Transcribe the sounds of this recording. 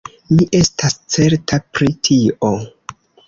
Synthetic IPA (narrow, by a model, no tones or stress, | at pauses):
miʔe̞stʰast͡se̞ɾtʰapɾitʰio